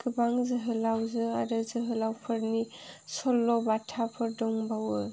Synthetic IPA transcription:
kɯbaŋzɯɦɯlawzɯaɾɯzɯɦɯlawpʰɯɾnisɔlːɔbatʰapʰɯɾdɔŋbawɯ

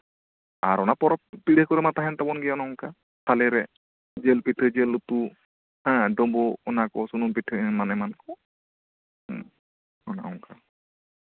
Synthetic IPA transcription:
aɾɔnapɔɾɔppiɽekɔɾɛmat̪aɦɛnt̪abɔnɡɛɔnaɔŋka | t̪ʰalɛɾɛ | d͡ʒelpiʈʰəd͡ʒelːut̪u | hãɖɔbɔɔnakɔsunumpiʈʰəɛmanɛmankɔ | ɔna̰ʔɔŋka

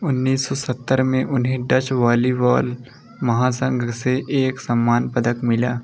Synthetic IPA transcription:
ʊnːiːsɔːsət̪ːəɾmẽʔʊnɦẽɖɐt͡ʃʋaːliʋaːl | mɐɦãːsə̃ŋɡʱseʔeːksɐmːaːnpəd̪əkmɪlaː

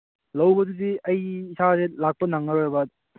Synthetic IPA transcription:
lɐwbɐduziɐjːsʰazelak̚pɐnaŋːɐɾojbɐ

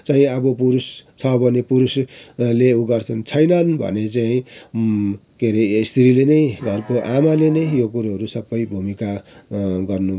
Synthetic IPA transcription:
t͡saĩʌbʌpuɾust͡sʰʌbʱʌnepuɾusleuɡʌrt͡sʰʌnt͡sʰʌjnʌnbʱʌ̰net͡saĩ | keɾest̪ʰɾilenʌjɡʱʌrkoʔamalenʌjjokuɾuʌɾusʌbːʌjbʱumika | ɡʌrnu

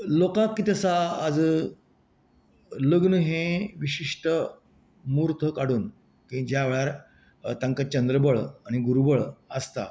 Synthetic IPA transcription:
lokãkːit̪əsaːd͡z | ləɡnəɦẽʋiɕiʂʈə | muɾt̪ʰəkaɽuːn | kĩd͡ʑaːʋɭjaɾ | t̪aŋkat͡ɕənd̪ɾəbəɭaɽ̃iɡuɾubəɭəst̪a̰

